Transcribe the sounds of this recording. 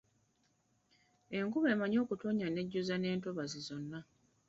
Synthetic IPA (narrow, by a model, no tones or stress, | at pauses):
e̞ŋkuβe̞ːmaɲo̞ːkutoːɲane̞ɟːuzane̞ːntoβazizo̞nːa